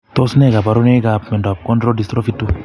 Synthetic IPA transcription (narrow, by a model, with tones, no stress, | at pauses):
t̪ɔ˦snɛ˦ka˨pa˨ɾune˦ka˨pmɛ˨nda˨p̚kɔ˦ndɾo˦di˨st̪ɾɔ˦fi˦tːu˦